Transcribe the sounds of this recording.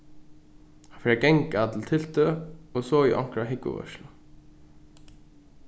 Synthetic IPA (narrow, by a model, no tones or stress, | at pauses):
hanfɛːɾakɛŋkat̪ʰɪlt̪ʰɪlt̪øɔsɔːiʔɔ̰ŋ̥kɾaɦɪkvʊ̰vœ̰ʃlʊ